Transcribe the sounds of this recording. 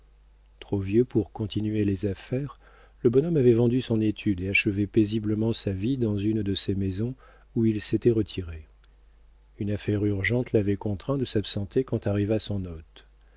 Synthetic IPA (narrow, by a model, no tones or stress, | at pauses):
t̪χovjøpuʁkɔ̃t̪ʰinɥelezafɛːʁ | ləbɔnɔmavɛvɑ̃d̪ysɔ̃net̪ʰyd̪eaʃəvɛpezibləmɑ̃savid̪ɑ̃zynd̪əsemezɔ̃ | uilset̪ɛʁət̪ʰiʁe | ynafɛʁyʁʒɑ̃t̪lavɛkɔ̃t̪χɛ̃d̪əsapsɑ̃t̪ekɑ̃t̪aʁivasɔ̃nɔt̪